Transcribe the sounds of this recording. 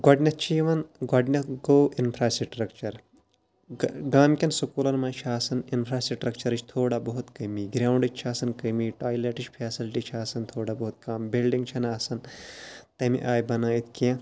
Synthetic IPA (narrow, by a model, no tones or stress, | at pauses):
ɡɐɖnʲɐt̪t͡ʃʰiʋɐnɡɐɖnʲɐɡoːʔinpʰɾaːsiʈɾɐkt͡ʃɐɾ | ɡaːmkʲɐnsukuːlɐnmãːt͡ʃʰaːsɐninpʰɾaːsiʈɾɐkt͡ʃɐɾɨt͡ʃʰt̪ʰoːɽabɐɦut̪kɐmiːɡɾaːwɳɖɨt͡ʃʰt͡ʃʰaːsɐnkɐmiːʈaːjleʈit͡ʃpʰeːsilʈit͡ʃʰaːsɐnt̪ʰoːɽabɐɦut̪̚kambilɖiŋɡt͡ʃʰɐnaːsɐnt̪ɐmḭʔaːjbɐnait̪ʰkiɐ̃